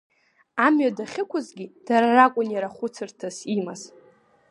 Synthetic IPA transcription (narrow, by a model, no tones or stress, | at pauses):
amɥadaχʲɪkʷʰʊzɡʲid̥aɾarakʷʼʊnjaɾaχʷʊt͡sʰɨrtʰazimaz